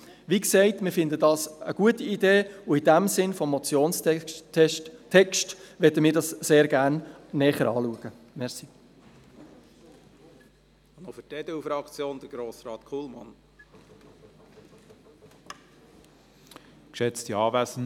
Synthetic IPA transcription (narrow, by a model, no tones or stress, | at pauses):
ʋiksɛɪtmɪːɾfɪnd̪ədɑːsəɡ̥uətiideːʊidæmsɪnfɔmːɔt͡sjoːns | tʰɛkʃtʋɛdəmɪːɾdɑsseːɾɡænːɛːχəɾɑ̰ːluəɡ̥ə | mɛʁsi | nɔfʏtɛd̥ɛufɾɑkt͡sjoːnd̥̪əɾɡ̥ɾoːsɾɑːt̪kʰulmɑ̰n | kʃɛt͡stiɑːvæsn̩